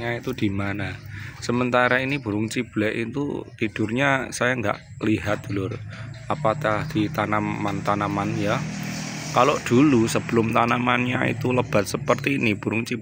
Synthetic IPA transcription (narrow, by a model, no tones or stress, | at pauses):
ɲait̪ud̪̥i̤manasəmənt̪aɾainib̥ṳɾʊŋt͡ʃib̥lɛʔḭt̪ṵt̪id̥ʊrɲasajaŋɡa̰ʔ | liɦat̪̚d̪̥ṳlʊrapat̪ahd̪̥it̪anamant̪anamanja | kaloʔd̪̥ulusəb̥əlʊmt̪anamanɲa̰ḭt̪uləb̥a̤t̪̚səpərt̪iːnib̥ṳɾʊŋt͡ʃib